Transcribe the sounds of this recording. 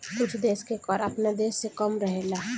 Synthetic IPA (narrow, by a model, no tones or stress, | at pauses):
kʊt͡ʃʰd̪eːskekɔːɾɐpned̪eːsːekɔmɾəɦelaː